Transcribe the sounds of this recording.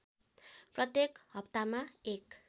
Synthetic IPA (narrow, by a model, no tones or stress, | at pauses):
prʌt̪jekhʌp̚t̪amaek